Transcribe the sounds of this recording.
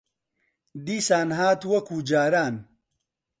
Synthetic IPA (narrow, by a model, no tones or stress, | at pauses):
d̪iːsaːnɦaːt̪wɐkuːd͡ʒaːɾaːn